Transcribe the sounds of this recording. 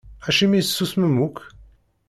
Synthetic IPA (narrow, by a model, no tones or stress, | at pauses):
æʃimisːusməmuk